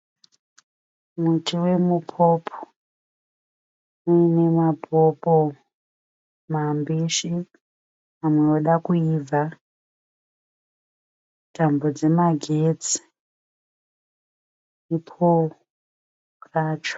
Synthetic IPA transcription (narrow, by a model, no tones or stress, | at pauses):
mutʰiwemupʰopʰo̥ | uinemapopo | mambiʃi | amweoɗakuiva | tambod͡ze̞maɡʱet͡si̥ | ipʰo | kaːt͡ʃ